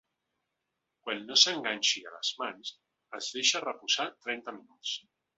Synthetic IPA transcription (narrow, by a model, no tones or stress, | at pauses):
kwanːosəŋɡaɲʲʃia̰lə̰zmans | əzðeʃarəpuzat̪ɾɛnt̪aminus